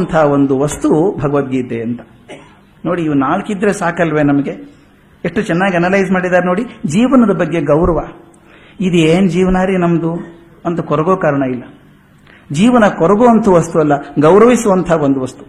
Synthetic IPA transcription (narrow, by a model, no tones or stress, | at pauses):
nt̪ʰaːʋond̪uʋɐst̪ubʱɐɡɐʋɐd̪jiːd̪eɐnt̪ɐ̥ | no̞ːɽiːʋunaːlkid̪ɾesaːkɐlʋe̞nɐmɐɡe | eʂʈːut͡ʃɛnːaːɡiɐnɐlɐjzmaːɽid̪aːɾeno̞ːɽid͡ʒiːʋɐnɐd̪ɐbɐɡːe̞ɡɐwɾɐʋa | id̪ieːnd͡ʒiːʋɐnaːɾinɐmd̪u | ɐnt̪ɐkɔɾɐɡoːkaːɾɐɳɐilːɐ | d͡ʒiːʋɐnɐkɔɾɐɡoːɐnt̪ʰɐʋɐst̪uɐlːɐɡɐwɾɐʋisuʋɐnt̪ʰaːond̪uʋɐst̪u̥